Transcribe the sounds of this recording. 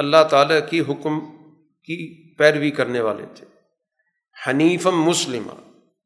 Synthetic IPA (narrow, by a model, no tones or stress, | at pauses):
ɐlːaɦt̪aːlakiɦʊkm | ki | pɛːɾʋikɐɾneʋa̰ːlḛt̪ʰe̥ː | hɐniːfəmːʊslɪma̰